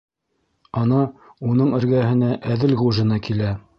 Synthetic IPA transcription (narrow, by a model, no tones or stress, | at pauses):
ɑnɑunɤɴɘ̆ɾɡæhɘ̆næʔæðɘlʁuʒɤ̆nɑkilæ